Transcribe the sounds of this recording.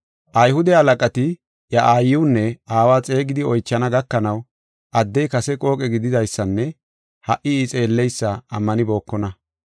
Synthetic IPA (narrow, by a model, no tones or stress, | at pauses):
ʔɐjhʊd̪ɛhɐlɐkʼɐt̪ɪ | jɐʔaːjːɪwnːɛaːwaːt͡sʼe̞ːɡɪd̪ɪɔjt͡ʃːɐnɐɡɐkːɐnɐw | ʔɐd̪ːɛjkɐsɛkʼo̞ːkʼɛɡɪd̪ɪd̪ɐjsːɐnːɛ | hɐʔɪiːt͡sʼe̞ːlːɛjsːɐɐmːɐnɪbo̞ːkːɔnɐ